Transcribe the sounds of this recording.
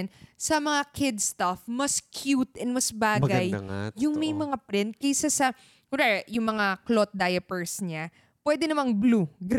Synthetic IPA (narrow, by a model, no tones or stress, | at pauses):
nsɐmɐŋakʰɪd̪st̪ɐfmɐskʰjut̪ɛnmɐsbaːɡɐjːʊŋmɐjmɐŋapɾɪnt̪̚kɐjsasɐ | kʊɾɛjʊŋmɐŋaklot̪̚d̪ajɐpɛɹsɲa | pwɛːd̪ɛnɐmaŋbluɡ